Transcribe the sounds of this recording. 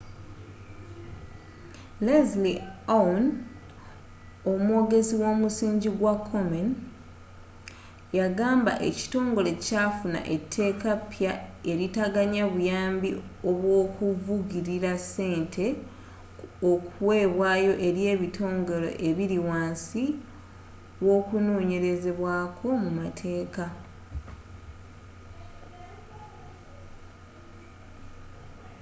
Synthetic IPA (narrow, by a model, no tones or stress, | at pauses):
lezlian | omwo̞ːɡe̞ziwo̞ːmusiːɲɟiɡwakʰːo̞men | jaɡaːmba̰ʔe̞̰ci̥to̞ːŋɡo̞le̞caːfuna̰ʔe̞tʰːe̞ːkapjae̞ɾitaɡaɲaβujaːmbio̞βwo̞ːkuvuɡiɾiɾasːe̞ːntʰe̞ | okuwe̞ːβwaːjo̞ʔe̞ɾje̞ːβitʰo̞ːŋɡo̞lo̞̰ʔe̞βiɾiwaːnsi | βwo̞ːkunoːɲe̞ɾe̞ze̞βwaːkʰo̞mumatʰe̞ːka